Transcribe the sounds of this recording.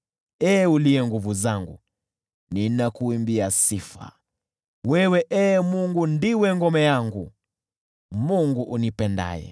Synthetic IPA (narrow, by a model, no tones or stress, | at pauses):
ɛːuliɛŋɡuvuzaŋɡṵ | ninakuimbiasifa̰ | wɛwɛʔɛːmuŋɡundiwɛŋɡɔmɛjaŋɡṵ | muŋɡuʔunipɛnda̰jɛ̰